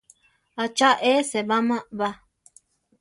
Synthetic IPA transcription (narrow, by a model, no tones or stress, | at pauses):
at͡ʃaʔeseβamãβa